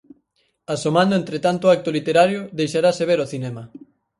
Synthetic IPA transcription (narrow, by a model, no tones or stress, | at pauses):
asomãnd̪oẽnt̪ɾet̪ant̪oak̚t̪olit̪eɾaɾjoðejʃaɾaseβ̞eɾoθinɛmɐ